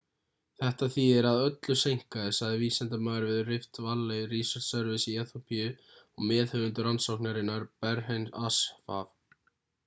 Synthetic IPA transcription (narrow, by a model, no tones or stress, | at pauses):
θɛht̪aθiɛɾaðœt̪lʏsejŋ̥kaðɪsaðɪviːsɛnt̪amaːðɾvɪðʏrɪft̪valːejriːsaɾ̥t̪sɛɾvɪsɪiɛθopʰijʏ | ɔɣmɛːðhœðʏnt̪ʏɾansowknaɾɪnːaɾpɛɾhejnasfa̰ːv